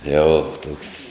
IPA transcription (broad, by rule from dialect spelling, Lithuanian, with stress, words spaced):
ˈjɛʊ ˈtuɔks